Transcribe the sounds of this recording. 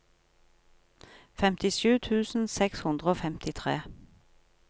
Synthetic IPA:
fɛmt̪ɪʃʉːt̪ʰʉːsn̩sɛkshʉnd̪ʁəoːfɛmt̪ɪt̪ʰʁeː

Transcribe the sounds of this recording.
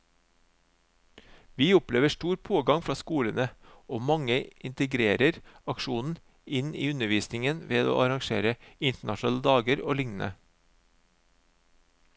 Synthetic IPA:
ʋiːʊpleːʋəʃʈuːɾpʰoːɡɑŋfɾɑːskuːlənəoːmɑŋəʔɪnt̪əɡɾeːɾəɾɑkʃuːnn̩ | ɪnḭːʉnəʋiːsnɪŋənʋeːd̪o̰ːʔɑɾɑŋʃḛːɾəɪnt̪əɳɑʃn̩ɑːləd̪ɑːɡəɾo̰ːlɪŋn̩ə̰

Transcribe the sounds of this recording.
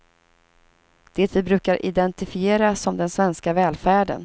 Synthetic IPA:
d̪̥ɛt̪vɪbɾʉ̟ːkaɾʔɪ̰d̪ɛnt̪ɪfɪeːɾasɔmd̪ɛnsvɛnskavɛːlfæːɖə̰n

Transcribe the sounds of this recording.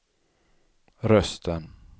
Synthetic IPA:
ɾœst̪ʰən

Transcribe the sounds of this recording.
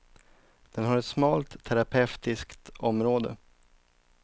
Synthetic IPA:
d̪̥ɛnɦaɾɛt̪smɑːlt̪ʰːæɾapʰɛft̪ɪskt̪ɔmɾoːd̪ə̰

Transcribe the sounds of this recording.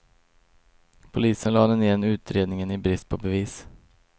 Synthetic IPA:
pʰʊliːsənlɑːd̪ɛnɪjɛnʉ̟ːt̪ɾeːd̪nɪŋənɪbɾɪst̪̚pʰɔbɛviːs

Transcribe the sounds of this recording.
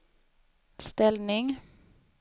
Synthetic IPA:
st̪ɛlnɪŋ

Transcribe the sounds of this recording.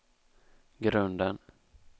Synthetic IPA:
ɡɾɵnd̪ən

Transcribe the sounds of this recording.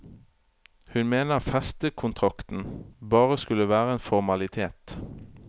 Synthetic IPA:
hʉnmeːnəʁfɛst̪əkʰʊnt̪ʰʁɑkt̪n̩bɑːʁəskʉləʋæːʁəeːnfɔʁmɑlɪt̪ʰeːt̪

